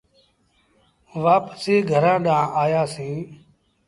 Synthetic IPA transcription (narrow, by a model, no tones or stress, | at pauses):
ʋaːpsiːɡʱəɾãːɗãːaːjaːsĩː